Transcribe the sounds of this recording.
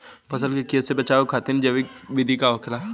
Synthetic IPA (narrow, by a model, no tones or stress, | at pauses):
pɐs̬əlkekesebɐt͡ʃaːokʰaːt̪ind͡ʒɐʋikbid̪ʱikaɔːkʰla